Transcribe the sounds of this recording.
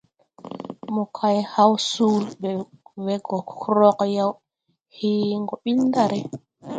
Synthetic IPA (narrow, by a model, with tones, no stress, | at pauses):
mu˨kʰa˨jha˦wsuː˦lbɛ˨wɛ˨ɡɔ˨kʰɾɔ˦kja˦w | hiː˦ŋɡɔ˨ɓi˦lnda˨ɾɛ˨